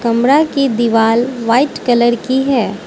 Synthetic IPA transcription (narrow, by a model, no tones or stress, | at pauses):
kɐmɾakid̪iʋaːlʋaːɪʈkɐləɾkiɦɛː